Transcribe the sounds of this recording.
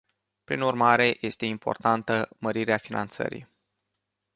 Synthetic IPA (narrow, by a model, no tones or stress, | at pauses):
pɾinurmaɾe̞je̞st̪e̞impʰo̞̰rt̪ant̪əməɾiɾeafina̰nt̪sə̰ɾḭj